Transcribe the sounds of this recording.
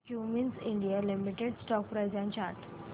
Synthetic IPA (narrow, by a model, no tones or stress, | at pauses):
kjuminsĩɳɖijalimiʈeɖsʈɔk̚pɾajzɛ̃nt͡ɕaɾʈ